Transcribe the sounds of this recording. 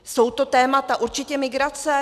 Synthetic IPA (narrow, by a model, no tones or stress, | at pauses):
so̞wt̪o̞t̪ɛːmat̪aʔuɾt͡ʃɪcɛmɪɡɾat͡sɛ